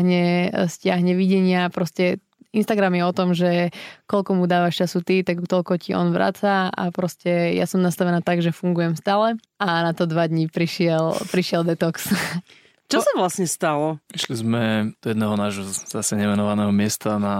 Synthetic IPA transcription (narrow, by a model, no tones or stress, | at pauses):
ɦɲɛscɪaɦɲɛʋiɟɛɲɪapɾɔscɛ | inst̪aɡɾamjɛɔt̪ɔmʒɛkɔlkɔmud̪aːʋaʃt͡ʃasut̪it̪akt̪ɔʎkɔciʔɔ̰nʋɾa̰ːt͡saa̰pɾɔscɛja̰sɔmnast̪aʋɛnaːt̪aɡʒɛfuŋɡujɛmst̪aːlɛ | anat̪ɔd̪ʋad̪ɲipɾiʃɪɛlpɾiʃɪɛld̪ɛt̪ɔks | t͡ʃɔsaʋlasɲɛst̪alɔpɾiʃlizmɛd̪̥ɔjɛd̪nɛɦɔnaːʒɦɔz̥asɛɲɛmɛnɔʋanɛɦɔmɪɛst̪ana